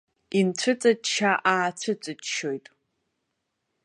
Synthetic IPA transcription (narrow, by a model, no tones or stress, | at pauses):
int͡ɕʷʰɨt͡sʼadt͡ʃʰaʔaːt͡ɕʷʰɨt͡sʼɨdʃojtʼ